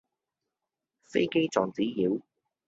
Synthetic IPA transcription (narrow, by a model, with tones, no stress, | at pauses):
fḛ˥jke˥jt͡sɔː˨ŋt͡siː˨˥jiː˨˥w